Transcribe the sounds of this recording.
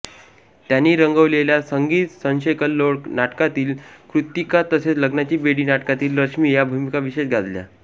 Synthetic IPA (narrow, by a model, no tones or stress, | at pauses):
t̪janːiːɾəŋɡəʋleljasəŋɡiːt̪sə̃ñɕejkəlːoɭknaʈkat̪iːlkɾut̪ikat̪əset͡sləɡnat͡ɕiːbeɽiːnaʈkat̪iːlɾəkʂmiːjabʱumikaʋiɕet͡sɡʱad͡z̪lja̰